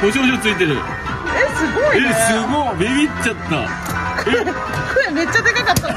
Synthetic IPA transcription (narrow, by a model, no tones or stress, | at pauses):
boɕoɕot͡sɨit̪eɾɯ̟̰ | esɨɡoiesɨɡobeβʲit͡ɕt͡ɕːat̪ːa̰ | ke | kʰoeme̞t͡ɕːad̪e̞kakat̪ːa